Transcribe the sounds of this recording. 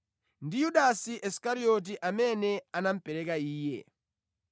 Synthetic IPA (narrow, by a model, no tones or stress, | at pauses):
ndijuɗasiʔɛskaɾiɔt̬iʔamɛnɛanam̩pɛɾɛkaiːjɛ̰